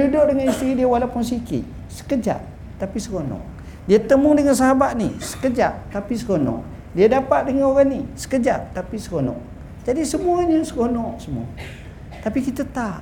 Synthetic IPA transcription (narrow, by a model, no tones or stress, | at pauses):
udoʔdəŋanist̪ɾidiawalapʊnsikɪ̰ʔ | sə̥kəd͡ʒa̰ʔ | t̪apisəɡonɔ̰ʔ | diat̪əmʊŋdəŋansaɦabaʔ̪̚nḭsə̥kəd͡ʒaʔ̚t̪apisəɡonɔ̰ʔ | diadapat̪̚dəŋanoɾanisə̥kəd͡ʒaʔ̚t̪apisəɡonɔ̰ʔ | d͡ʒadisəmuaɲəsəkonɔʔsəmua̰ | t̪apikit̪ət̪aʔ